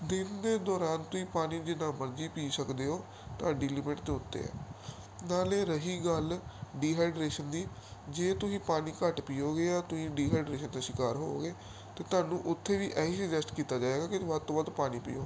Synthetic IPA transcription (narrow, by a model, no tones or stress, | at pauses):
d̪ɪnd̪eːd̪ɔːɾaːnt̪ʊsĩːpaːniːd͡ʒɪnãːməɾd͡ʒiːpiːsəkd̪eːoː | t̪ʊaːɖiːlɪmə̃ʈd̪eːʊt̪ːḛːɛ̰ː | naːleːɾəɦiːɡəlɖiːɦaːɪɖɾeːʃənd̪iː | d͡ʒeːt̪ʊsĩːpaːniːkəʈpiːoːɡeːaːt̪ʊsĩːɖiːɦaːɖɾeːʃənd̪aːʃɪkaːɾɦoːɡeː | t̪eːt̪ʊaːnũːʔʊt̪ʰːeːʋiːʔɛːɦiːsəɡd͡ʒɛsʈkiːt̪aːd͡ʒaːeːɡaːkɪʋəd̪̚t̪õːʋəd̪paːniːpḭːo̰ː